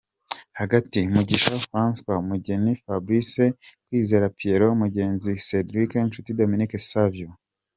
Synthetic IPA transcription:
haɡatimuɟiʃafɾãnspamuɟenifabɾisekwiːzeɾapʰieɾomuɟe̞ːnzisedɾikenʃutidominikesavio

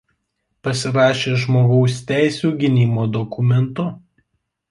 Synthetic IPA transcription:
pɐsʲɪɾɑːʃʲeːʒmoːɡɒʊsʲt̪ʲæˑɪsʲuːɡʲɪnʲimoːd̪ɔkʊmʲɛnt̪ʊ

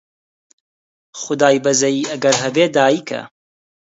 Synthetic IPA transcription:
χʊd̪aːjbɐzɐjiːʔɐɡɐɾɦɐbeːd̪aːjiːkʰɐ̰

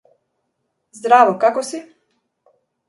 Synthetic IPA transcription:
zd̪ɾaʋokakosi

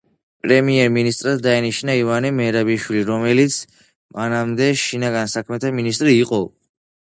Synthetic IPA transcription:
pʼɾɛmiɛɾminist̪ʼɾad̪d̪ainiʃnaivanimɛɾabiʃwiliɾɔmɛlit̪sʰ | manamd̪ɛʃinaɡansakʰmɛt̪ʰaminist̪ʼɾiːqʼɔ

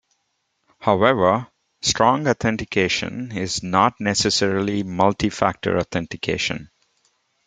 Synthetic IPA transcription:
haʊɛʋə | sʈɾɔ̃ŋɡɔt̪ʰɛ̃nʈɪkʰeːʃə̰̃nɪznɔːʈ̚nɛsɛsɛɾlimʌlʈifæ̰k̚ʈə̰ɾɔːt̪ʰɛ̃nʈɪkʰḛːʃə̰̃n

